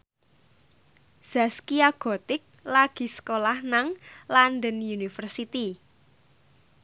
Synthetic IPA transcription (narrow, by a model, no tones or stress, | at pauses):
z̥askiaɡ̥ɔ̤t̪ɪk̚laɡ̥i̤sə̥kolahnaŋlanɖənjunifərsit̪i